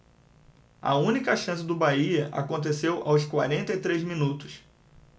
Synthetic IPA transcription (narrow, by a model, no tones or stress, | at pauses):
ɐ̰ũnikɐʃɐ̃sɪd̪ʊbaiɐʔa̰kõnt̪̬esewʔaws̬kwaɾẽnt̪ɐit̪ɾezmĩnut̪ʊ̥s